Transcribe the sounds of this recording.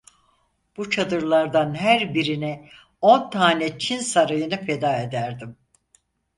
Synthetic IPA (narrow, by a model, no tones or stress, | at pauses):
b̥ut͡ʃʰad̪ɯɾlˠaɾd̪anɦæɾbiɾinɛ | o̞nt̪ʰaːnɛt͡ʃʰinsaɾajɯnɯfe̞d̪aːe̞d̪æɾd̪im